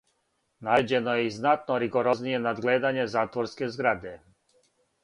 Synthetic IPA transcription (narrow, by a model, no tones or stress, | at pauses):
naed͡ʑe̞nojeiznat̪noɾiɡoɾoznije̞nad̪ɡleːd̪aɲe̞zaːt̪ʋoɾskezɡɾad̪e